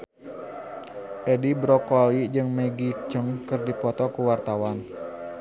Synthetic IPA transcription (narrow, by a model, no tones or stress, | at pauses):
ʔɛdibɾɔkɔlid͡ʒɨŋmɛɡit͡ʃəŋkərdipɔt̪ɔkuwart̪awan